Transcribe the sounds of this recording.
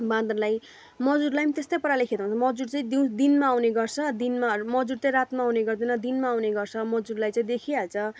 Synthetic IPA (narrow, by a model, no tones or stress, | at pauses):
bãd̪rlaj | mʌd͡zuɾlajmit̪est̪ʌjpʌɾalekʰed̪aɦũnt͡sʰmʌd͡zuɾt͡saĩd̪iw̃sd̪inmaːwneɡʌrt͡sʰʌd̪inmamʌd͡zuɽt͡saĩɾat̪maːwneɡʌrd̪inʌd̪inmaːwneɡʌrt͡sʰʌmʌd͡zuɾlajt͡saĩd̪ekʰialt͡sʰʌ